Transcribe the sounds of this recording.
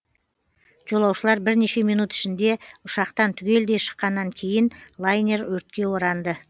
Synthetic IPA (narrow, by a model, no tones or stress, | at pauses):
ʒ̥o̞lˠɑwʃəlˠɑɾbɪɾne̞ʃe̞mijnut̪ɪ̥ʃɪnd̪e̞ʊʃɑqt̪ɑnt̪ʰʏɡʲe̞ld̪e̞ʃə̥qːɑnːɑŋkʲʰe̞jɪnlˠajnʲe̞ɾwɵɾt̪̚kʲe̞wo̞ɾɑnd̪ə